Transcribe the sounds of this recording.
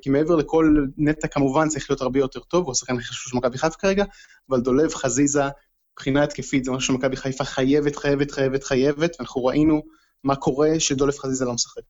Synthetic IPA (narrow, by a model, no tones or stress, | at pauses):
kimeeveleko̞lnet̪akamuvant͡saʁiχlijo̞taʁbejo̞t̪e̞ʁt̪o̞vuasḁχkanaʃu̥ʃemakabiχajefkaʁeɡa | avald̪o̞le̞vχaziza | b̥χinat̪kefit̪zemuʃemakabiχajfaχajevet̪χajevet̪χajevet̪χaje̞vet̪veanaχnuʁaʔinu | makʰo̞ʁe̞ʃed̪ole̞v̥χazizalomsḁχek